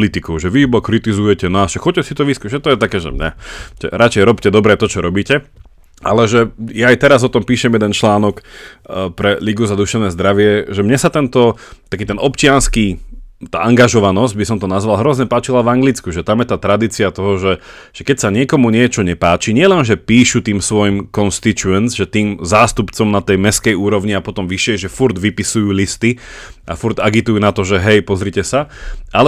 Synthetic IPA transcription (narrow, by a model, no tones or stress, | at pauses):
lit̪ikɔʊʒɛʋibɔkɾit̪izujɛcɛnaːst͡ʃɛxɔc̚cːɛsit̪ɔʋiskuʒɛt̪ɔjɛt̪akɛːʒɛ̰mɲat͡ʃɛ̰ɾat͡ʃɛjɾɔpcɛd̪ɔbɾɛt̪ɔt͡ʃɔɾɔbiːcɛ | ʔa̰lɛʒɛjaːjt̪ɛɾazɔt̪ɔmpiːʃɛmjɛd̪ɛnt͡ʃlaːnɔk | pɾɛliɡuzad̪uʃɛʋʊnɛːzd̪ɾaʋɪɛʒɛmɲɛsat̪ɛnt̪ɔt̪akiːt̪ɛnɔpt͡ʃɪanskit̪a̰ːʔaŋɡaʒɔʋanɔzɟbisɔmt̪ɔnazʋalˠɦɾɔzɲɛpaːt͡ʃilavaŋɡlit͡skuʒɛt̪amjɛt̪aːt̪ɾad̪iːt͡siat̪ɔɦɔʒɛ | ʒ̥ɛkɛcsaɲɪɛkɔmuɲɪɛt͡ʃɔɲɛpaːt͡ʃiɲɪɛlɛnʒɛpiːʃut̪iːmsʋɔjimkɔnst̪it͡ʃuɛnzʒɛt̪iːmzaːst̪upt͡sɔmnat̪ɛjmɛskɛjuːɾɔʋɲiapɔt̪ɔmʋiʃɪɛʒɛfuɾd̪ʋipisujuːlist̪ia̰fuɾd̪aɡit̪ujuːnat̪ɔʒɛɦɛjpɔzɾicɛsaʔalɛ